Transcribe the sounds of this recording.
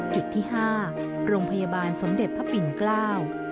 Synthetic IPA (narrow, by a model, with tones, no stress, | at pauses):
t͡ɕu˨˩t̪ʰːiː˥˩ɦaː˥˩ | ɾoː˧ŋpʰa˧ja˧baː˧nso˩˦mde˨˩t̪̚pʰa˦˥pi˧nklaː˥˩w